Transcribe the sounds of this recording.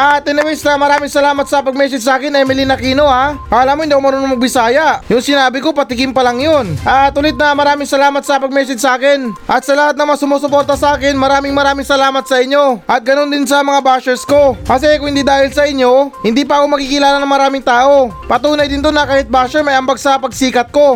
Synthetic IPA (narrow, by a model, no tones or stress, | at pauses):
ʔat̪ɪnɛwɛst̪ɐmɐɾaːmɪŋsɐlaːmɐt̪sɐpɐɡ̚mɛːsɛd͡ʒsɐʔaːkɪnɐmɪlinɐkiːno̞hakaɐlaːmoɪnd̪iːkomɐɾonɐŋmɐɡ̚bɪsaːjɐjʊŋsɪnaːbɪko̞pɐt̪ɪkɪmpɐlɐŋjo̞nʔat̪ʊlɪt̪̚nɐmɐɾaːmɪŋsɐlaːmɐt̪̚sɐpɐɡ̚mɛːsɛd͡ʒsɐʔaːkɪnʔɐt̪sɐlɐhat̪̚nɐŋmɐsʊmoːsʊpo̞ɾt̪ɐsɐaːkɪnmɐɾaːmɪŋmɐɾaːmɪŋsɐlaːmɐt̪̚sɐʔɪɲːo̞ʔɐt̪̚ɡɐno̞nd̪ɪnsɐmɐŋabaʃɛɾsko̞kɐs̬ɛɛkʊŋhɪnd̪iːd̪aːhɪlsɐʔɪɲːo̞hɪnd̪iːpɐʔɐko̞mɐkikɪlaːlɐnɐŋmɐɾaːmɪŋt̪aːʔo̞ | pɐt̪uːnɐjd̪ɪnt̪o̞nɐkaːhɪt̪̚baːʃɛɾmɐjɐmbaɡsɐpɐɡsiːkɐt̪̚ko̞